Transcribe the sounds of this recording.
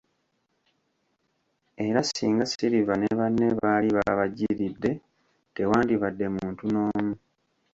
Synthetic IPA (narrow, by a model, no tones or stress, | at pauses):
e̞ɾasḭːŋɡasiɾivane̞βanːeβaːliβaβaɟiɾidːe̞ | te̞waːndiβadːe̞muːntuno̞ːmu